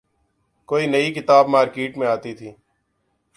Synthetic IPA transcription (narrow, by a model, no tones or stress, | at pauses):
koːinɐikɪt̪aːbmaːɾkeːʈmẽaːt̪it̪ʰiː